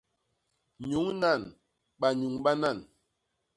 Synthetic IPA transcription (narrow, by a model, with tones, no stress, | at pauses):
ɲu˨˦ŋna˦˨n | ɓa˨ɲu˨ŋɓa˦na˦˨n